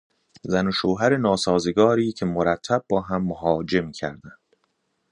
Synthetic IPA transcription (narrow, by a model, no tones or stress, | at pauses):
zænoʃoːɦæɾenɒːsɒːzeɡɒːɾiːcʰe̞moɾæt̪ʰːæb̚bɒːɦæmːoɦɒːd͡ʒe̞mcʰæ̰ɾd̪ænd̪̥